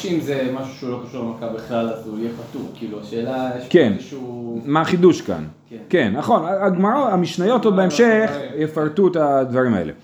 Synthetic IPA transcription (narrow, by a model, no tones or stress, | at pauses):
ʃimzemaʃu̥ʃeulokaʃulmakabeχlalazujɛpat̪uʁkiːluaʃeːlaekenʃmaχid̪uʃka̰n | kenːaχo̞naaɡmaʕoamiʃnajo̞t̪odbeemʃeχjefaʁt̪uet̪ad̪vaʁima̰ḛle̞̰